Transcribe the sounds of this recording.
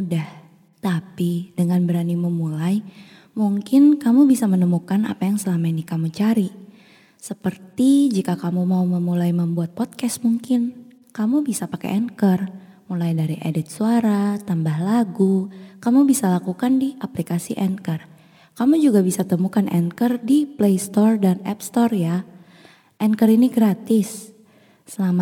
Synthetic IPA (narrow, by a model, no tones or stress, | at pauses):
udah | t̪apidəŋanbəɾaniməmulaj | muŋkɪnkamubisamənəmukana̰pajaŋsəlamainikamut͡ʃaɾi | səpərt̪id͡ʒikakamumauməmulajməmbuat̪̚pɔt̪̚kɛst̪̚muŋkɪn | kamubisapakɛ̰ʔɛnkər | mulajdaɾiʔedɪt̪̚suaɾat̪ambahlaɡukamubisalakukandiʔaplikasḭʔɛnkər | kamud͡ʒuɡabisat̪əmukanʔɛ̰ŋkərdiplejst̪ɔrdanɛpst̪ɔrja | ʔɛŋkəriniɡɾat̪ɪsː | əlama